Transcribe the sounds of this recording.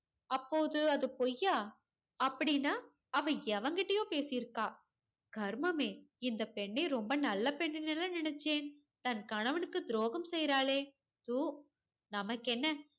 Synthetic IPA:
ɐpːoːðɯɐðɯpojaː | ɐpːɐɽɪnːaː | ɐʋɐ̃ɛʋɐŋɡɪʈːɐjõːpeːsɪjɪɾɯkːaː | ɡʱɐɾmɐmeːɪnd̪ɐpɛɳːɐɪɾɔmbɐnɐlːɐpɛɳːɪnɛlːãnɪnɛt͡ʃːeːn | t̪ɐnkɐɳɐʋɐnɯkːɯd̪ɪɾoːɣɐmsɛjɾaːleː | t̪uː | nɐmɐkːɛnːɐ

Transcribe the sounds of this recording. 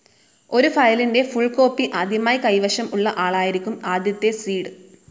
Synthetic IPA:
o̞ɾufɐjlinde̞fuɭko̞ːpːiʔad̪ʱjɐmaːjikɐjʋɐɕɐmuɭːɐʔaːɭaːjiɾikʲːumaːd̪ʱjɐt̪ːe̞siːɽɨ

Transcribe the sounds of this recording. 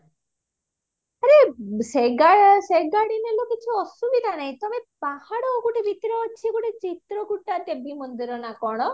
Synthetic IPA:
aɾeseɡaɽseɡaɽineloket͡ʃʰiɔsubid̪ʱanaj̃t̪ɔmepahaɽɔːɡuʈebʱit̪ɾɔːt͡ʃʰiɡuʈet͡ʃit̪ɾɔɡuʈːat̪ebimɔnd̪iɾɔnakɔɽ̃ɔ

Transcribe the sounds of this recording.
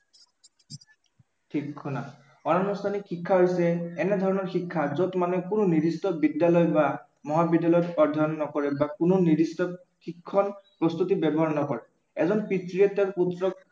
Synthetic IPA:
tʰikkʰuna | ɔnanɔst̪ʰanikxikʰːaɦojsɛɛnɛd̪ʱɔɹɔnɔɹxikʰːazɔtmanɛkunonidistɔbidjalɔjba | mɔɦabidjalɔjɔtɔɹd̪ʱɔɔnːɔkɔɹɛbakunonidistɔ | xikʰːɔnpɹɔst̪utibɛbɔɦɔnɔkɔɹɛ | ɛzɔnpitɹiɛtɛputːɹɔk̚

